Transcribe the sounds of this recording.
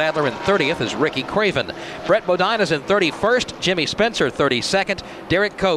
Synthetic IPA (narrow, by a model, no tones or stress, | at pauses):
ædˡlə˞ɨ̃nθɜ˞ɾiɨθɨzɹɪkikʰɹ̥eɪvɨ̃n | b̥ɹɛt̚b̥oʊdãɪ̃nɨzɨ̃nθɜ˞ɾifɜ˞sd̥ʒ̥ɪ̃mispɛ̃nsə˞θɜ˞ɾisɛkɨ̃n | d̥ɛɹɨkʰːoʊ